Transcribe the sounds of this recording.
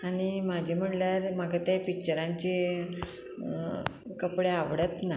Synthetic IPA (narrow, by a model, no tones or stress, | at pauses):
aɽ̃imad͡ʑʱim̤əɳljaɾmaɡat̪japik̚t͡ɕəɾãɲt͡ɕe | kəpɽeaʋɽət̪na